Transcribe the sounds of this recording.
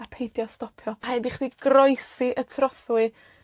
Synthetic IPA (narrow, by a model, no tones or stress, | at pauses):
apʰejdjɔstɔpʰjɔhadiχðiɡ̥rɔjsiʔətʰrɔθwɨ